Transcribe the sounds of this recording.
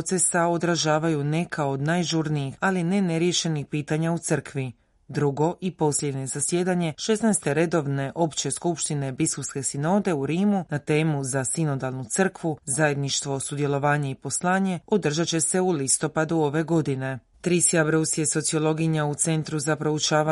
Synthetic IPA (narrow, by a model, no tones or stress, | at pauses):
t̪se̞sao̞d̪ɾaʒaːʋajune̞kʰao̞d̪najʒuɾniixaline̞ne̞ɾje̞ʃe̞nixpiːt̪aɲaut̪sɨr̩kʋi | d̪ɾuɡo̞ʔipo̞sʎʲe̞d̪ɲe̞zasje̞d̪aɲe̞ʃe̞snajst̪e̞ɾe̞d̪o̞ʋne̞ʔo̞pt͡ɕe̞skupʃt̪ine̞biskulske̞sino̞ːd̪e̞uɾiːmunat̪e̞ːmuzasino̞d̪alnut̪sər̩kʋuzaje̞d̪niʃt̪ʋo̞sud̪je̞lˠo̞ʋaːɲe̞ipo̞slˠaːɲe̞od̪r̩ʒat͡ɕe̞se̞ulist̪o̞pad̪uo̞ʋe̞ɡo̞d̪ine̞ | t̪ɾisiabɾosijeso̞t̪sio̞lˠo̞ɡiɲaut̪se̞nt̪ɾuzapɾo̞ut͡ʃaːʋa